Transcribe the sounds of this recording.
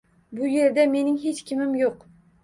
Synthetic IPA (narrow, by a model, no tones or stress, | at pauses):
bʊje̞ɾd̪ame̞nɪŋɦe̞t͡ʃkʲʰɪmɪmjoq